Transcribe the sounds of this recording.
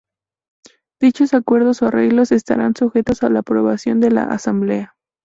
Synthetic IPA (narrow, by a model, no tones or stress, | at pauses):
d̪̥it͡ʃo̞sakwe̞ɾðo̞soare̞ɣlo̞se̞st̪a̰ɾansuxe̞t̪o̞salaːpɾo̞βasjo̞nd̪e̞la̰ʔa̰samble̞a